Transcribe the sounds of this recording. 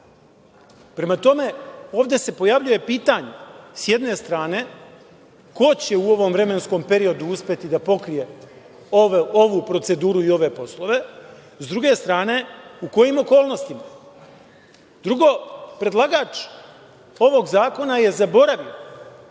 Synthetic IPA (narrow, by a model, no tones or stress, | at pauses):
pɾe̞mat̪o̞me̞o̞ːʋd̪e̞se̞po̞jaʋʎuje̞piːt̪aɲesje̞d̪ne̞st̪ɾaːne̞ | ko̞t͡ɕe̞uo̞ʋo̞mʋɾe̞me̞nsko̞mpe̞ɾio̞d̪uuspʲje̞t̪id̪apo̞kɾije̞ | oʋupɾo̞t̪se̞d̪uːɾuio̞ʋe̞po̞slˠo̞ʋe̞ | zd̪ɾuɡe̞st̪ɾaːne̞uko̞jimo̞ko̞ːlˠno̞st̪ima | d̪ɾuɡo̞pɾe̞d̪lˠaɡaːt͡ʃ | o̞ʋo̞ɡzaːko̞naje̞zabo̞ɾaʋio